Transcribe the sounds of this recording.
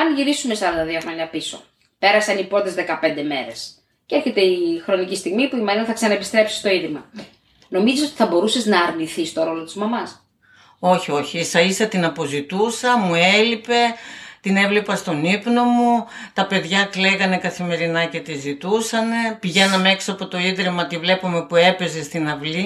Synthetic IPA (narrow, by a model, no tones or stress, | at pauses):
ɐnʝiɾisume̞sɐɾɐnd̪ɐðioxɾo̞ɲɐpiso̞̰ | pe̞ɾɐsɐnipɾot̪ezðe̞kɐpe̞nd̪e̞me̞ɾe̞s | ceeɾçe̞t̪e̞ixɾo̞nicist̪iɣmipuimɐɾinɐθɐksɐnɐepist̪ɾe̞psi̥st̪o̞iðimɐ | no̞miziso̞t̪i̥θɐbo̞ɾuseznɐːɾniθist̪o̞ɾo̞lo̞t̪izmɐmɐs | o̞çio̞çiisɐisɐt̪inɐpo̞zit̪usɐmue̞lipe̞t̪ine̞vlepɐst̪o̞nipno̞mu | t̪ɐpe̞ðʝɐkleɣɐne̞kɐθime̞ɾinɐce̞t̪izit̪usɐne̞piʝe̞nɐme̞ksoɐpo̞t̪o̞iðɾimɐt̪ivle̞pome̞pue̞pe̞ze̞st̪inɐvli